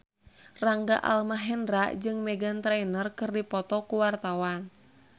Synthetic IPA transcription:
raŋɡa̰ʔa̰lmaɦɛndɾa̰d͡ʒɨŋmɛɡant̪ɾɛinərkɨrdipɔt̪ɔkuwart̪awan

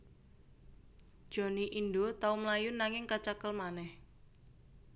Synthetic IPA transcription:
d̥ʒ̥o̤niʔindot̪aumlajʊnːaŋɪŋkat͡ʃakəlmanɛh

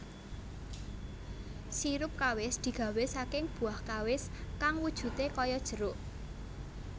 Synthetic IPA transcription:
siɾʊp̚kawɪsd̪̥i̤ɡ̥a̤wesakɪŋb̥ṳahkawɪskaŋwud̥ʒ̥ṳt̪ekɔjɔd̥ʒ̥ə̤ɾʊʔ

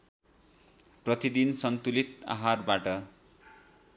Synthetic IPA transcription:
prʌt̪id̪insʌnt̪ulit̪a̰ɦarbaʈʌ

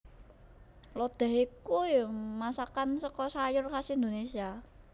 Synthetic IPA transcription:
lɔd̪̥ɛ̤ɦikujmasakansɔkɔsajʊrkasiind̪onesia

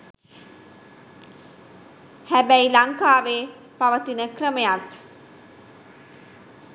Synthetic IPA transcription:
hæbæilaŋkaːʋeː | paʋət̪inəkrəməjat̪

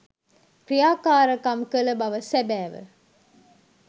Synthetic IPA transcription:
kɾijaːkaːɾəkɐmkələbɐʋəsæbæːʋə̰

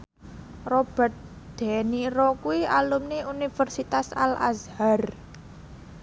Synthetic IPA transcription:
rob̥ə̤t̪̚ | d̪̥eniɾɔkuwialumneunifərsit̪asala̰zhar

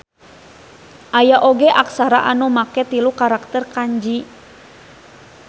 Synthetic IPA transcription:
ʔajaʔoɡɛʔaksaɾa̰ʔanumakɛt̪ilukaɾak̚t̪ɛrkaɲd͡ʒi

